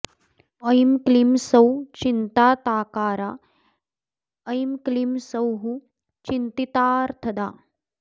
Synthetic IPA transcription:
ɐjmklimsɐwt͡ʃint̪aːt̪aːkaːɾaː | ɐjmklimsɐwɦu | t͡ʃint̪it̪aːɾt̪ʰɐd̪aː

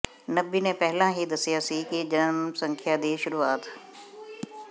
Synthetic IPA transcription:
nɐbinẽpɛɦlãːɦid̪ɐsijaːsikid͡ʒɐnmsə̃ŋkʰjaːd̪iːʃʊɾuːaːt̪

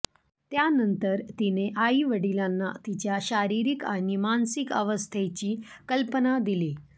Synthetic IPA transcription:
t̪janənt̪əɾt̪ineʔaiʋəɽilanːa̰t̪it͡ɕjaɕaɾiɾikaɽ̃imansikə̰ʋəst̪ʰet͡ɕiːkəlpənad̪ili

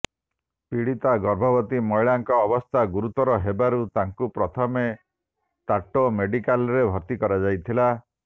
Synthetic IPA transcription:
piɽit̪aɡɔɾbʱɔbɔt̪imɔjɭaŋkɔːbɔst̪ʰaɡuɾut̪ɔɾɔɦebaɾut̪aŋkupɾɔt̪ʰɔme | t̪aʈomeɖikalɔɾebʱɔɾt̪ikɔɾad͡ʒajt̪ʰila

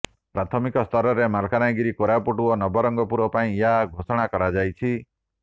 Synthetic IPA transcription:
pɾat̪ʰɔmikɔst̪ʰɔɾɔɾemalkʰanajɡiɾikoɾapuʈuɔnɔbɔɾɔŋɡɔpuɾɔpaĩjaɡʱosɔɽ̃akɔɾad͡ʒajt͡ʃʰi

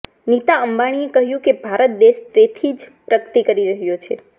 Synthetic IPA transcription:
nit̪aəmbaɽ̃iekəɦjũkebʱaɾət̪̚d̪eʃt̪et̪ʰid͡ʒpɾəɡt̪ikəɾiɾəɦjot͡ʃʰḛ

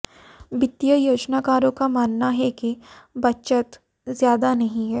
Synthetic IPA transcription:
bɪt̪ːijəjoːd͡ʒnaːkaːɾõkamaːnːaɦɛkibɐtːʃət̪ | zjaːd̪anɐɦĩɦɛː

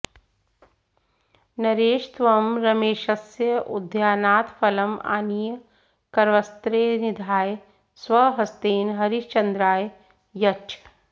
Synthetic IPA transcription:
nɐɾeːʃt̪ʋɐmɾɐmeːʃɐsjəʔʊ̰d̪ʱjaːnaːt̪fɐlɐma̰ːnijə | kɐɾʋɐst̪ɾeːnid̪ʱaːj | sʋɐɦɐst̪eːnɦɐɾiʃt͡ʃɐnd̪ɾaːj | jɐt͡ʃ

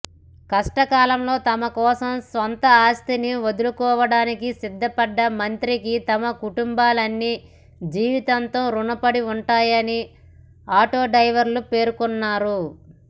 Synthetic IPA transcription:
kɐʂʈɐkaːlɐmlo̞ːt̪ɐmɐkɔːsɐmsʋɐnt̪ɐaːst̪iniʋod̪ulukɔːʋɐɽaːnikisid̪ːɐpɐɖːɐmɐnt̪ɾikit̪ɐmɐkuʈumbaːlɐnːi | d͡ʒiːʋit̪ɐnt̪o̞ːɾunɐpɐɽiuɳʈaːjɐni | aːʈo̞ːɖɐjʋɐɾlupe̞ːɾukunːaːɾu

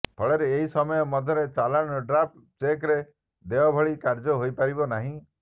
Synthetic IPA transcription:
bʰɔɭeɾeːɦisɔmɔjɔmɔd̪ʱjɔɾet͡ʃalaɽ̃ɔɖɾap̚ | t͡ʃekɾe | d̪ebabʱɔɭikaɾd͡ʒɔɦojpaɾibɔnaɦĩ

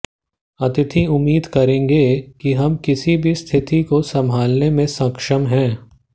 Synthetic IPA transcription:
ɐt̪ɪt̪ʰiʊmːiːd̪kɐɾẽːŋɡekiɦɐmkɪsibʱist̪ʰɪt̪ikosɐmʱaːlnemẽsɐ̃kʃəmɦɛ̃ː

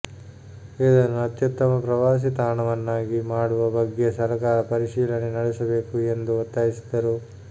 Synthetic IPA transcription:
eːd̪ɐnːuɐt̪jɐt̪ːɐmɐpɾɐʋaːs̬it̪aːɳɐʋɐnːaːɡimaːɽuʋɐbɐɡːe̞sɐɾɐkaːɾɐpɐɾiʃiːlɐnenɐɽɛsɐbe̞ːkue̞nd̪uot̪ːaːjisi̥d̪ɐɾu

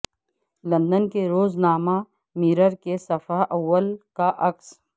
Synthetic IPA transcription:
lɐ̃nd̪ənkeɾoːznaːma | miːɾəɾkesɐfaʔɐwːəlkaʔɐks

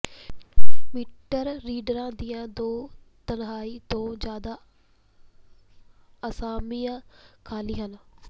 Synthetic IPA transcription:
miːʈəɾːiːɖɾãːd̪iːãd̪oːt̪ɐnɦaːit̪õːzjaːd̪a | ɐsaːmiːãkʰaːliɦən

